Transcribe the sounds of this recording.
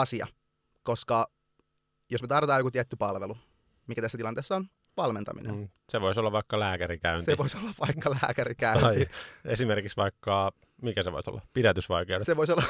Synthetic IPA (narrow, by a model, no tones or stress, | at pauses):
ɑsiɑ̰ | koskɑ | josmet̪ɑrʋet̪ɑːjokut̪iæt̪ːypɑlʋelu | mikæt̪æsːæt̪ilɑnt̪eːsːɑon | ʋɑlment̪ɑ̰mḭnḛnseʋoisolːɑʋʋɑikːɑlæːkæɾikæyntseiʋoisolːɑʋʋɑikːɑlæːkæɾikæɑiesimerkiksʋɑikːɑ | mikæseʋo̰iso̰lːɑpiɾæt̪ysʋɑikeodeseʋoisolːɑ